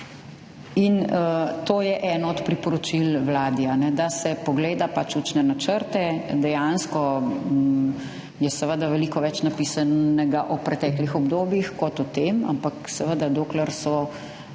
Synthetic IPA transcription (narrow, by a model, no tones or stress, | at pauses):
int̪oːjɛʔɛnɔɔt̪pɾipɔɾɔt͡ʃilwlaːd̪ianɛd̪asɛpɔɡleːd̪apat͡ʃut͡ʃnɛnat͡ʃəɾt̪ɛd̪ɛjanskɔ | jɛsɛʋəd̪aʋɛlikɔʋɛt͡ʃnapiːsaɛɡaʔɔpɾɛt̪ɛːklixɔbd̪oːbjixkɔt̪ɔt̪ema̰mpaksɛʋəd̪ad̪oːklɛɾsɔ